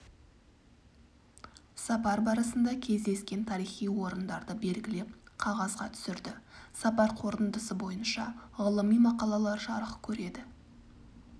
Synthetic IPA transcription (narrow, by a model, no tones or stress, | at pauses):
sɑpɑɾbɑɾəsənd̪ɑkʲʰe̞zd̪e̞skʲe̞nt̪ʰɑɾijχijwo̞ɾənd̪ɑɾd̪əbe̞lɡʲɪle̞p̚qʰɑʁɑzʁɑt̪ʰʏ̥sɪɾd̪ɪsɑpɑɾqʰo̞ɾt̪ənd̪əsəbo̞jənʃɑʁəlˠəmijmɑqɑlˠɑlˠɑɾʒɑɾəχkʲʰɵɾe̞d̪ɪ